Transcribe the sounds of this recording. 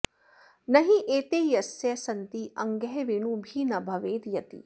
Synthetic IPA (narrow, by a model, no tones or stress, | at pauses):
nɐɦiʔeːt̪eːjɐsjɐsɐnt̪iɐŋɡɛɦɛʋiɳubʱiːnɐbʱɐʋeːd̪jɐt̪ḭ